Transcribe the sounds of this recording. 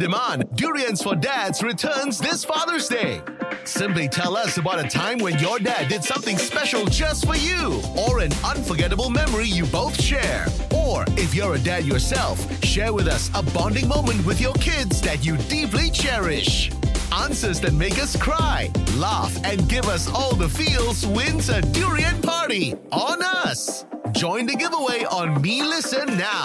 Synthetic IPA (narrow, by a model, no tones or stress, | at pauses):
d̥ɨmɑ̃nduɹiɨ̃nsfə˞dædz̥ɹɨtʰɜ̃˞nzðɪsfɑðə˞zdeɪ | sɪ̃mplitʰɛlˠʌsəbaʊɾɨtʰãɪ̃mwɨ̃njə˞dædɨd̥sʌ̃mθɪ̃ŋspɛʃl̩ˠd͡ʒʌstfə˞juə˞ɨ̃nʌ̃nfə˞ɡɛɾəbl̩ˠmɛmə˞ijɨboʊθʃɛɹʔə˞ɪfjə˞ɨdædjə˞sɛlˠf | ʃɛɹwɨðʌsəbɑ̃ndɪ̃ŋmõʊ̃mɨ̃nt̚wɨðjə˞kʰɪdzðɨt͡ʃɨdiplit͡ʃʰɛɹɪʃʔæ̃nsə˞zðɨ̃nmeɪkʌskʰɹ̥aɪlæfɨ̃nɡɪvʌsɔlˠðəfilˠzwɪ̃nzɨduɹiɨ̃npʰɑɹɾiʔə̃nʌs | d͡ʒɔ̃ɪ̃ntɨɡɪvəweɪʔə̃nmilɪsɨ̃nːa